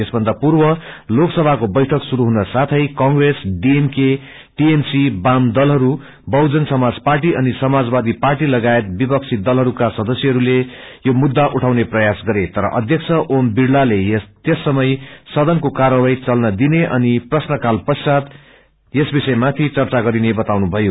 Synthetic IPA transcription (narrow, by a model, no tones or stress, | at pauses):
esbʱʌnd̪apurbʌloksʌbʱakobʌjʈʰʌksuɾuɦunʌsat̪ʰʌjkʌŋɡresɖiemke | ʈiemsibamd̪ʌlɦʌɾu | bʌwd͡zʌnsʌmad͡zparʈiʔʌnisʌmad͡zbad̪iparʈilʌɡaet̪̚bipʌk̚t͡sʰid̪ʌlɦʌɾukasʌd̪ʌsjʌɦʌɾulejomud̪ːaʔuʈʰawneprʌjasɡʌɾet̪ʌɾʌ̰ʔʌd̪ʱjʌkt͡sʰʌʔombiɽlalejt̪jesːʌmʌjsʌd̪ʌnkokarʌwajt͡sʌlnʌd̪ineʔʌniprʌsnʌkalpʌsat̪ | jesbisʌemat̪ʰit͡sʌrt͡saɡʌɾinebʌt̪awnubʱʌjo